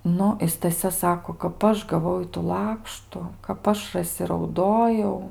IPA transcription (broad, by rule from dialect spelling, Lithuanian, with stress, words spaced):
ˈnʊ ɪ stɐˈsʲɛ ˈsɑːkoː kɐp ˈɐʃ ɡɐˈʋɐʊ ˈɪtuː ˈlˠɑːkʃtʊ kɐp ˈɐʃ rɐˈsʲɪ rɐʊˈdoːjɛʊ